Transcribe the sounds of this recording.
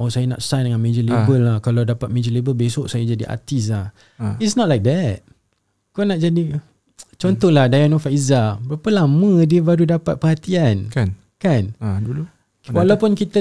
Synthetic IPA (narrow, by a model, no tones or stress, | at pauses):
ʔɔsajəna̰tsajndəŋãnmẽd͡ʒəlibəlːakalawdapat̪̚mẽd͡ʒəlibəlbesɔʔsajad͡ʒadiʔa̰t̪is̬lah | itsnɔt̚lajk̚d̪ɛt̚ | konaʔ̚d͡ʒadi | t͡ʃɔnt̪ɔhlahdajanɔfaizabəɾapəlamə̃diəbaɾudapat̪̚pəhat̪iankan | kandulu | walawpunkit̪ə